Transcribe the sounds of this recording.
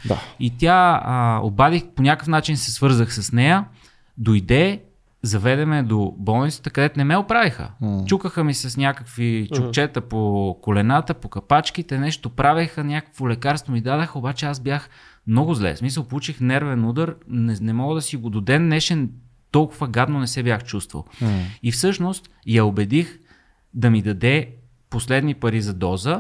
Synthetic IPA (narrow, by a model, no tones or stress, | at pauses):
d̪ait̪ʲaəo̰bad̪ixponʲakəfnat͡ʃinsɛsvɤɾzəxsɐsnɛjə | d̪ojd̪ɛ | zɐvɛd̪ɛmɛd̪obɔlˠnit̪ət̪əkɐd̪ɛt̪onɛmɛopɾavixə̰t͡ʃukəxəmisɐsnʲakəkvit͡ʃʊkt͡ʃɛt̪əpokolɛnat̪əpokɐpat͡ʃk̟it̪ɛnɛʃt̪opɾavʲəxənʲakə̥kvolɛkaɾst̪vomid̪ad̪əxəobat͡ʃɛazbjaxmnɔɡʊzlɛ̰smisəlˠpout͡ʃixnɛɾvɛnud̪əɾnnɛmɔɡəd̪ɐsiɡod̪od̪ɛnːɛʃɛ | t̪ɔlˠkʊvəɡad̪nonɛsɛbʲjaxt͡ʃust̪və̰lˠifsɤʃnost̪ | jɐobɛd̪ix | d̪ɐmid̪ɐd̪ɛ | poslɛd̪nipɐɾizɐd̪ɔzə